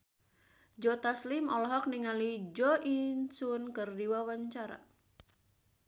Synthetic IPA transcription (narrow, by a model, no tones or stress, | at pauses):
d͡ʒɔt̪aslimɔlɔɦɔk̚niŋalid͡ʒɔʔinsunkɨrdiwawaɲt͡ʃaɾa̰